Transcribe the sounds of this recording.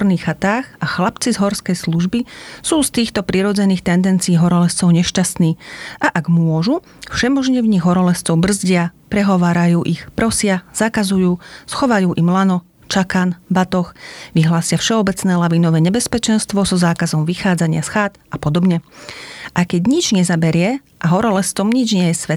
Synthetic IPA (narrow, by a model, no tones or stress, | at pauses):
ɔɾniːxːat̪aːxʔaxlapt͡sizɦɔɾskɛjsluʒbisuːst̪iːxt̪ɔpɾiɾɔd͡zɛniːxt̪ɛnd̪ɛnt͡siiːɦɔɾɔlɛst͡sɔʊɲɛʃcast̪niːʔaʔaɡmʊɔʒu | fʃɛmɔʒɲɛvɲiɣɦɔɾɔlɛst͡sɔʊbr̩zɟɪapɾɛɦɔʋaːɾajuːʔixpɾɔsɪaz̥akazujuːsxɔʋajuːʔimlanɔ | t͡ʃakanbat̪ɔxʋiɦlaːsɪafʃɛɔbɛt͡snɛːlaʋinɔʋɛːɲɛbɛspɛt͡ʃɛnst̪ʋɔzɔzaːkazɔmʋixaːd͡zaɲɪasxaːt̪apɔd̪ɔbɲɛ | ʔajkɛɟɲid͡ʒɲɛzabɛɾɪɛ | ʔaɦɔɾɔlɛst͡sɔmɲid͡ʒɲɛjɛsʋɛt̪